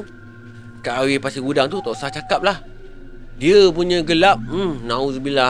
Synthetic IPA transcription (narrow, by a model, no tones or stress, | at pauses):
kaʔawɪpasiɡudaŋt̪ut̪ɔʔsaht͡ʃakap̚lah | diəpuɲə̃ɡəlap̚m̩mnãusəbila